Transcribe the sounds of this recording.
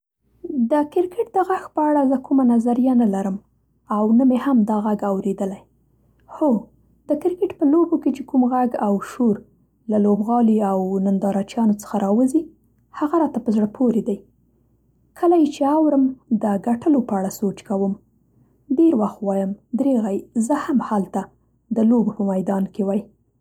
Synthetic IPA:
d̪əkɪɾkɪʈ̚d̪əɣaxpəaɽazəkumanazaɾijanalaɾəm | awnamehamd̪ɑɣaɡawɾed̪əlaj | xo | d̪̥əkɪɾkɪʈpəloboket͡ʃekumɣaɡawʃoɾ | lalobɣɑliawnand̪ɑɾɑt͡ʃjɑnot͡sə̥xaɾɑwəzi | haɣaɾɑt̪apəzɽəpʰoɾed̪aj | kʰəlajet͡ʃeawɾəmd̪əɡaʈəlopəaɽasot͡ʃkawəm | ɖeɾwaxt̪wɑjəmd̪ɾeɣajzəhamhalt̪a | d̪əlobopəmajd̪ɑnkewaj

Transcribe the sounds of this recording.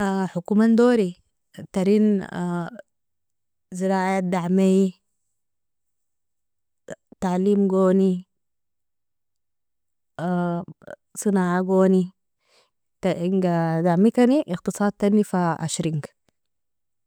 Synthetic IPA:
ħukumand̪oːɾi | t̪aɾiːn | ziɾaːʕad̪aʕmeji | t̪aʕliːmɡoːni | sˤɨnaːʕaɡoːni | t̪aiŋɡad̪aʕmik̪aniʔixt̪ɨsˤɑːd̪̚t̪anːifaʔa̰ʃɾiŋɡ

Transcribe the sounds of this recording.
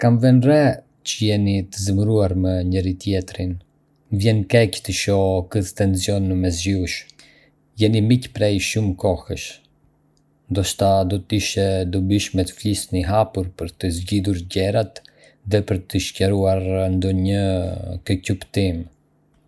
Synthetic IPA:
kamvɛnrɛ | cəjɛnit̪əzəmɾuaɾməɲɛɾit̪jɛt̪ɾin | vjɛnkɛct̪əʃɔkəθt̪ɛnsjɔnːəmɛzd͡ʒiuʃ | jɛnimicpɾɛjʃumkɔhəʃ | nd̪ɔʃt̪ad̪ɔt̪iʃɛd̪ubiʃmɛt̪ə̥flisniɦapuɾpəɾt̪əzɟiðuɾɟɛɾat̪ | ðɛpəɾt̪əʃcɛɾuaɾnd̪ɔɲəkəcupt̪im

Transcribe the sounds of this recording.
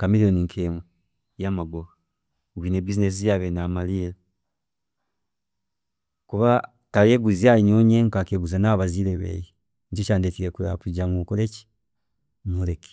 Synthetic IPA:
kamilioniŋkʰemwe | jamaɡo | ɡwinebizines̬ijaβenamalila | kuβa | tajeɡuziaiɲoɲeŋkakeɡuzanaβazileβḛji | ɲt͡ʃit͡ʃaːndetiɾekua̰kuɟamukoleci̥ | muleki̥

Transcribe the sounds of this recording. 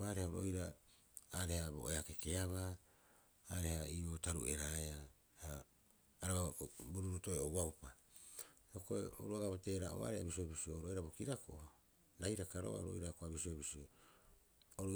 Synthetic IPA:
aɾehaoɾojɾa | aɾe̞habo̰ʔeake̞ke̞aβa | aɾe̞haiotaɾṵe̞ɾaea | haː | ɾaβabuɾuɾuto̞eowawpa | okoeo̰ɾuaɡabate̞ːɾaʔo̰βa̰ɾeha̰bisiobisiooɾojɾabo̞kiɾakoʔh | ɾajɾakaɾo̰a̰ɾo̰jɾakoabisiobisio | oɾo

